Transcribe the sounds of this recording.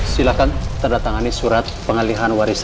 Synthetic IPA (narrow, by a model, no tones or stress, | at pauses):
silakant̪əndat̪aŋanisuɾat̪̚pəŋəliɦanwaɾis